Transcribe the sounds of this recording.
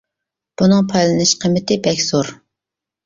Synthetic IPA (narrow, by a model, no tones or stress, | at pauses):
b̥unɨŋpʰɑjlˠɨnɪʃqʰəmːɪt̪ɪbɛkʲz̥oɾ